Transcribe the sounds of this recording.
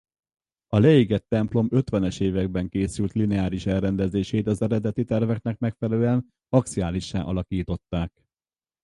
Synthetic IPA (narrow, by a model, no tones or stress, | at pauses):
ɒlɛjiɡɛt̪ːɛmplo̞mø̞t̪ʋɛnɛʃeːvɛɡ̚bɛŋkeːsylt̪linɛaːɾiʃɛlrɛnd̪ɛzeːʃeːt̪ɒzɛɾɛd̪ɛt̪it̪ɛrvɛknɛkmɛkfɛlɛløːɛn | mɒk̚tsiaːliʃːa̰ːʔɒlɒkiːt̪o̞t̪ːaːk̚